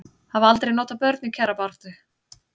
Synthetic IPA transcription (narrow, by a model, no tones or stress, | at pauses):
havalt̪ɾejnɔːt̪apœɾt̪nicʰɛɾapar̥t̪ʏ